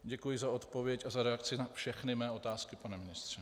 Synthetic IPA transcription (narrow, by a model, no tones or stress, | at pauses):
ɟɛkujɪzao̞t̪po̞vjɛcazaɾɛakt͡sɪnafʃɛxnɪmɛːʔo̞t̪aːskɪpanɛmɪnɪst̪r̝̥ɛ